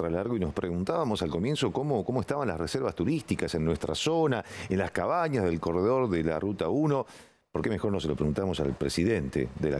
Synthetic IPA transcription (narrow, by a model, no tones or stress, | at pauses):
ɾalaɾɣoinospɾeɣunt̪aβamo̞salko̞mje̞nsokomoko̞moest̪aβanla̰sreseɾβast̪uɾist̪ikase̞nːwe̞st̪ɾa̰sonaenlaskaβaɲazðe̞lko̞reðo̞ɾðela̰rut̪auno̞ | po̞ɾkemexoɾnoselo̞pɾeɣunt̪amosa̰lpɾesiðe̞nt̪ḛðela̰